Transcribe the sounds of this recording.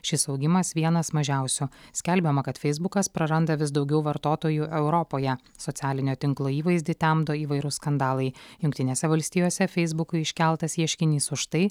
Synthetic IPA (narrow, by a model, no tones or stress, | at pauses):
ʃʲɪsɒʊɡʲɪmɐsʋʲiɛnɐsmɐʒʲæˑʊsʲʊsʲkʲɛlʲbʲɛmɐkɐt̪fʲɛɪzbʊkɐspɾɐɾɐnd̪ɐʋʲɪsd̪ɒʊɡʲɛʊʋɐɾt̪oːt̪oːjuʔɛʊɾɔpoːjɛ | sɔt̪ʲæːlʲɪnʲoːt̪ʲɪŋklˠoːiːʋɐɪzʲd̪ʲɪt̪ʲæmd̪oːiːʋɐɪɾʊskɐnd̪ɑːlˠɐɪjʊŋkt̪ʲɪnʲeːsʲɛʋɐlʲsʲt̪ʲiːjoːsʲɛfʲɛɪzbʊkʊɪʃʲkʲælˠt̪ɐsiɛʃʲkʲɪnʲiːsʊʃt̪ɐɪ